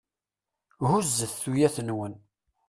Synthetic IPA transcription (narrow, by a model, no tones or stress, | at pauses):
huzːəθθujæθənwən